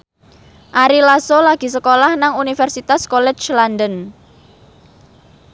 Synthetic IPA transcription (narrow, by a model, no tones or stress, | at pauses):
ʔaɾilasolaɡ̥i̤s̬əkolahnaŋunifɛrsit̪askɔlɛ̥t͡ʃlandən